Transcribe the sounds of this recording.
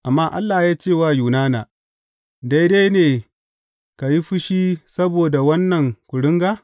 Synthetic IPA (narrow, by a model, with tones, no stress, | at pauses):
ʔa˨mːaː˦ʔa̰˦lːaː˨jaː˦t͡ʃeː˦˨waː˦juː˨naː˦naː˨ | da˦jda˦jneː˨ | ka˨ji˦ɸɪ˦ʃiː˦sɐ˦boː˨da˨wɐ˦nːɐ˨ŋkʷʊ˨ɽɪ˦ŋɡa˦